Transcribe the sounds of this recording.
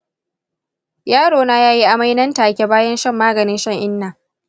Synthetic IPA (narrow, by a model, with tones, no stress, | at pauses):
jaː˦ɽoː˨naː˦jaː˦ji˦ʔa˨ma˦jnɐ˦ntaː˨kʲe˨baː˦jɐ˦nʃɐ˦˨mːaː˦ɡɐ˨nɪ˦nʃɐ˦ŋʔɪ˦nːaː˨